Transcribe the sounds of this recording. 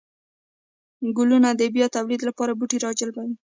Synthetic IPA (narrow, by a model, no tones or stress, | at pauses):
ɡʊlunad̪əbjɑt̪awlid̪lapɑɾabuʈiɾɑd͡ʒəlbawi